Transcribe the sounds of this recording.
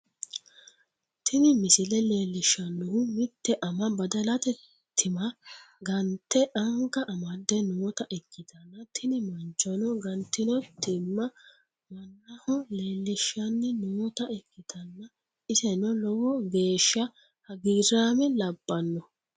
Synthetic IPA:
t̪ʰɪnɪmɪsɪlɛle̞ːlːɪʃːɐnːɔhʊmɪt̪ːɛʔɐmɐbɐd̪ɐlɐt̪ɛ | t̪ʰːɪmɐɡɐnt̪ːɛʔɐŋkɐʔɐmɐd̪ːɛnuːt̪ɐʔɛkːɪt̪ɐnːɐt̪ʰɪnɪmɐnt͡ʃːɔnɔɡɐnt̪ːɪnɔt̪ɪmːɐ | mɐnːɐhɔle̞ːlːɪʃːɐnːɪnuːɔt̪ɐɛkːɪt̪ɐnːɐ | ɪsɛnɔlɔwɔɡe̞ːʃːɐ | hɐɡiːɾaːmɛlɐbːɐnːɔ

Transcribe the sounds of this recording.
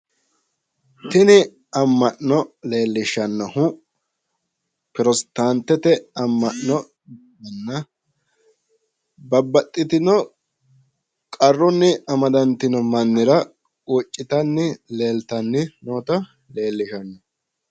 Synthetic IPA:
t̪ɪnɪ | ɐmːɐʔnɔle̞ːlːɪʃɐnːɐhʊ | pɪɾɔst̪aːnt̪ːɛt̪ɛɐmːɐʔnɔ | bbɐnːɐ | bɐbːɐt̪ʼːɪt̪ɪnɔ | kʼɐrːɔnːɪʔɐmɐd̪ɐnt̪ɪnɔmɐnːɪɾɐ | wɔt͡ʃʼːɪt̪ɐnːɪle̞ːlt̪ɐnːɪnoːt̪ɐ | le̞ːlːɪʃɐnːɛ

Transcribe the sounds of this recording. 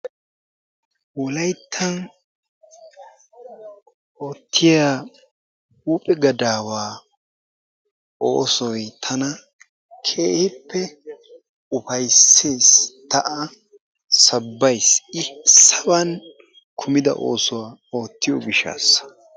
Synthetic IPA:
wɔlɐjt̪ʰːɐn | oːt̪ʰːɪjaː | huːpʼɛɡɐd̪aːwaː | o̰ːsɔjt̪ʰɐnɐ | kʰeːhɪpʰːɛ | ʊpɐjsːeːst̪ɐʔɐ | sɐbːɐjsɪsɐbɐn | kʰʊmɪd̪ɐ̰ʔo̞̰ːsʊwaːo̞ːt̪ːɪjɔɡɪʃa̰ːsɐ̥

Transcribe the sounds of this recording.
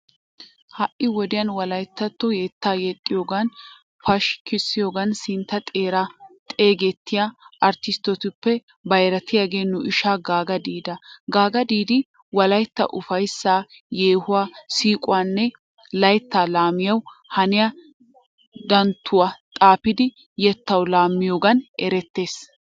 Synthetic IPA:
hɐʔɪwɔd̪ɪjɐnwɐlɐjt̪ːɐt̪ːɔjɛt̪ːaːjɛt̪ʼːɪjoːɡɐn | pɐʃkɪsːɪjo̞ːɡɐnsɪnt̪ːɐt̪ʼeːɾat̪ʼeːɡɛt̪ːɪjaʔɐɾt̪ɪst̪ːɔt̪ɪpːɛ | bɐjɾɐt̪ɪjaːɡe̞ːnːʊʔɪʃaːɡaːɡɐd̪iːd̪ɐɡaːɡɐd̪iːd̪ɪ | wɐlɐjt̪ːɐ̰ʔʊfɐjsːaː | jeːhʊwaːsiːkʼʊwaːnːɛ | lɐjt̪ːaːlaːmɪjɐwhɐnɪja | d̪ɐnt̪ʰːʊwaːt̪ʼaːpɪd̪ɪ | jɛt̪ːɐwlaːmːɪjoːɡɐnɛɾɛt̪ːeːs

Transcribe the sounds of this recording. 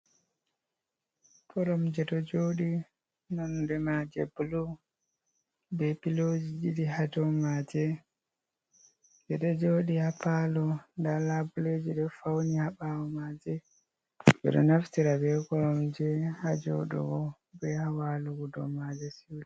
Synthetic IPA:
kɔɾɔmd͡ʒɛɗɔd͡ʒoːɗi | nɔndɛmad͡ʒɛ̰blɔ | bɛpilod͡ʒid͡ʒidiɦad͡ʒɔmad͡ʒɛ | bɛɗɔd͡ʒoːɗihapalɔndalabulod͡ʒiɗɔfawnihaɓawɔmad͡ʒɛ | bɛ̰ɗɔ̰naftiɾabɛkɔɾɔmd͡ʒɛhad͡ʒɔ̰ɗɔ̰ɡɔ | bɛhawaluɡudɔ̰mad͡ʒɛsiwli

